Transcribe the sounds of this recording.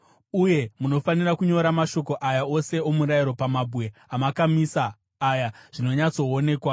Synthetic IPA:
uje̞muno̞fanirakuɲo̞ɾamaʃo̞ko̞ʔajao̞se̞omuɾaiɾo̞pamabuwe̞ɦamakamisaː | jaʐ̥ino̞ɲat͡so̞ːne̞ːkwa

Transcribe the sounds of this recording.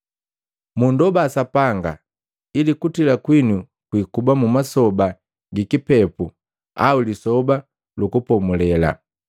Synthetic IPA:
mundɔbaːsapaŋɡa̰ | ilikutilakwinu | kwikubamumasɔba | ɡikipɛpu | a̰ulisɔba | lukupɔmulɛla̰

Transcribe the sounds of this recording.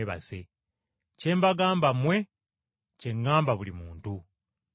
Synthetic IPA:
βa̰se̞ | ce̞ːmbaɡaːmbamwe̞ | ce̞ŋːaːmbaβulimuːntu

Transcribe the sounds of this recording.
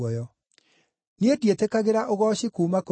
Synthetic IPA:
ɔjɔ | niedietekaɣeɾaʔoɣɔːɕikuːmako

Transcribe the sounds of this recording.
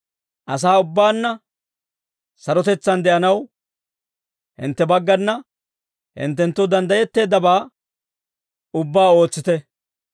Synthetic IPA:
ʔɐs̬aːʊbːaːnːɐ | sɐɾɔt̪ɛt͡sːɐnd̪ɛʔɐnɐw | hɪ̰nt̪ːɛbɐɡːɐnːɐ | hɪ̰nt̪ːɛnt̪ːʊd̪ɐnd̪ɐjɛt̪ːe̞ːd̪ːɐbaː | ʊbːaːo̞ːt͡sːɪt̪ɛ

